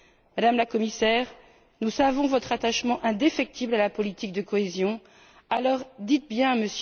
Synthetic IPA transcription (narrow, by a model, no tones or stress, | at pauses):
mad̪amlakɔmisɛʁ | nusavɔ̃vɔt̪χat̪aʃmɑ̃ʔɛ̃d̪efɛk̚t̪ʰiblalapɔlit̪ik̚d̪əkɔezjɔ̃ | alɔʁd̪it̪̚bjɛ̃məs